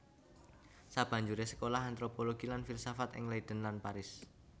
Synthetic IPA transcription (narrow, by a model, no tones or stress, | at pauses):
sab̥a̤ɲd͡ʒuɾesə̥kolaɦant̪ɾopoloɡ̥ilanfirsafat̪ɪ̰ŋlaid̪̥ə̤nlanpaɾɪs